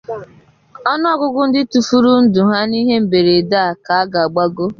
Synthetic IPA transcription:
ɔ˦nʊ˦ɔ˦ɡʊ˦ɡʊ˦n̩˦dɪ˦tu˨fu˦ɾu˦n̩˦dʊ˨ɦa˦ni˦ɦe˦m̩˨be˨ɾe˨da˦a˨ka˨a˦ɡa˨a˨ɡ͡ba˦ɡo˦

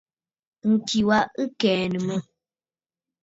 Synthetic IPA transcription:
ŋ̩˨ki˨wa˦ɨ˦kɛː˨nə˨mə˦

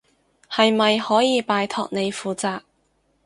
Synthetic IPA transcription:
hɐ˨jmɐ˨jhɔː˨˥jiː˨˧paː˨˧jt̪ʰɔː˨˧k̚ne˨˧jfuː˨˩t͡saː˨˧k̚

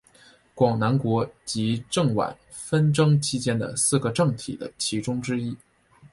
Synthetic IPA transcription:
kwɑ˨˩ŋna˧˥nkwɔ˧˥t͡ɕi˧˥ʈ͡ʂɤ˥˩ŋwa̰˨˩˦n | fə˥nʈ͡ʂɤ˥ŋt͡ɕʰi˥t͡ɕjɛ˥nd̪ə̰˨sɹ̩˥˩ɡə˩ʈ͡ʂɤ˥˩ŋt̪ʰḭ˨˩d̪ə̰˦t͡ɕʰi˧˥ʈ͡ʂʊ˥ŋʈ͡ʂɻ̩˥i˥

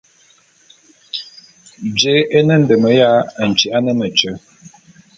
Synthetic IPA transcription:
d͡ʒe˨˦ʔe˦nə˦n̩˨də˨mə˨ja˦ə˨n̩˨t͡ʃi˨a˦nə˦mə˨t͡ʃə˨˦

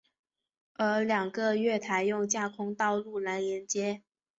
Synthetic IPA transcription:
ə˞˧˥ljɑ˨˩ŋɡə˧ɥɛ˥˩t̪ʰa˧˥ɪjʊ˥˧ŋt͡ɕja˥˩kʰʊ˥ŋt̪ɑ˥˧ʊlu˥˩la˧˥njɛ˧˥nt͡ɕjɛ˥

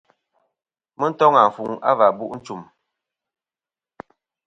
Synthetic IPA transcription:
mə˦n̩˦tɔ˦ŋa˨ɱ̩˨fu˨ŋa̰˦va˨bu˦ʔn̩˦t͡ʃu˨m

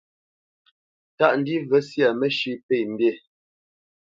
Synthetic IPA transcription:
ta˦ʔn̩˨di˦və˦sja˨mə˦ʃi˦pe˦˨m̩˨bje˦˨

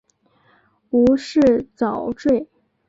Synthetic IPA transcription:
u˧˥ʂɻ̩˥˩t͡sɑ˨˩ʊʈ͡ʂwe˥˩ɪ

